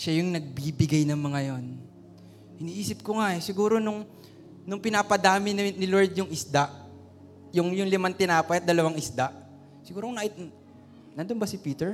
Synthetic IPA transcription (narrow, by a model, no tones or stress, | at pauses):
ʃajʊŋnɐɡ̚bibɪɡajnɐŋmɐŋajon | hɪniːʔiːsɪp̚koŋaʔɛsɪɡuːɾo̞nʊŋ | nʊŋpɪnaːpɐd̪aːmɪnnɪloɹd̪jʊŋʔɪsd̪aʔ | jʊŋjʊŋlɪmant̪ɪnaːpɐjɐt̪̚d̪ɐlɐwaŋɪsd̪aʔ | sɪɡuːɾoŋnaʔɪt̪̚ | nand̪onbɐsɪpiːt̪ɛɹ